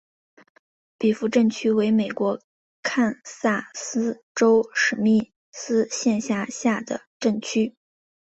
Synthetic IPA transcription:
pi˨˩fu˧˥ʈ͡ʂə˥˩nt͡ɕʰy˥we˧˥ɪme˨˩ɪkwɔ˧˥ | kʰa˥˧nsa˥˩sɹ̩˥ | ʈ͡ʂo˥ʊʂɻ̩˨˩mi˥˩ | sɹ̩˥ɕjɛ˥˧nɕja˥˧ɕja˥˩d̪ə̰˩ʈ͡ʂə˥˩nt͡ɕʰy˥

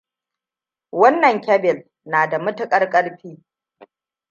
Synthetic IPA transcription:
wɐ˦nːɐ˨ŋkʲɐ˦bɪ˨l | naː˨da˨mʊ˦tʊ˦kʼɐ˦rkʼɐ˦ɽɸiː˦

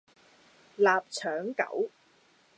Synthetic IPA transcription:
laː˨p̚t͡ʃʰœː˨˥ŋkɐ̰˨˩˥w

